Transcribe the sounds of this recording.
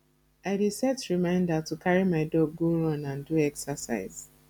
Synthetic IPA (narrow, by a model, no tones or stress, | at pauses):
aɪdisɛtɹimãɪ̃ndatukʰaɹimaɪdɔɡoɹɔ̃nãnduɛksəsa̰ɪz̥